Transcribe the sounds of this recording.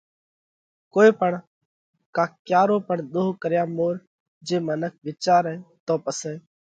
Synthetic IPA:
koːeːpəɳ | kaːkjaːɾoːpəɳɗ̪oːkəɾjaːmoːɾ | d͡ʒeːmənək̚ʰʋɪt͡ʃaːɾɛ̃ːt̪oːpəsẽː

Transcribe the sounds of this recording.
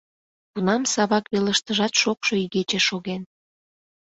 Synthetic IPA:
kunɑmsɑβɑkβeləʃt̪əʒɑt̪ʃokʃoyɣet͡ɕeʃoɣen

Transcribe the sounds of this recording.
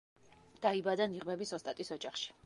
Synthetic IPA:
d̪̥aibad̪aniʁmɛbisɔst̪ʼat̪ʼisɔd͡ʒaχʃi̥

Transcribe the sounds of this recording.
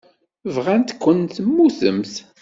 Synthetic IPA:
vʁænt̪kʷːənt̪mːuθə̰mθ

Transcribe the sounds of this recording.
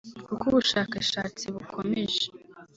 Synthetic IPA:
kukuβuʃaːkaʃaːt͡siβukʰo̞me̞ʒe

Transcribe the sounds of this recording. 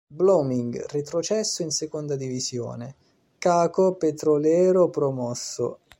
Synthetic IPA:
blomiŋɡrit̪ɾot͡ʃɛsːʊinsekond̪ad̪ivizjo̰ːne | kaːkopet̪ɾolɛːɾopɾomɔsːo̰

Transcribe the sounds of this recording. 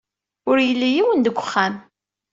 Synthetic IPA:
ʊɾjəlːijiwənd̪əɡʷːəχːam

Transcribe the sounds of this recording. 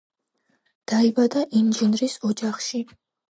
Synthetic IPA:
d̪̥aibad̪aʔinʒɛnɾisɔd͡ʒaχʃi

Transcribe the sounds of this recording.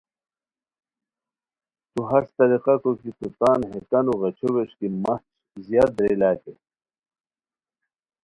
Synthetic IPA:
t̪uɦɐst̪ɐɾiqɑkokit̪ut̪aːnɦet̪ɐnuʁɐt͡ɕʰoweʂkimɐt͡ʃ | zjaːd̪̚d̪ɾelaːke

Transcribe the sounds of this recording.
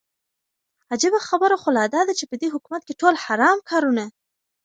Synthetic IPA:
ad͡ʒɪbaxabəɾoxolɑd̪ɑd̪at͡ʃepəd̪eɦʊkumat̪̚keʈolhaɾɑmkʰɑɾuna

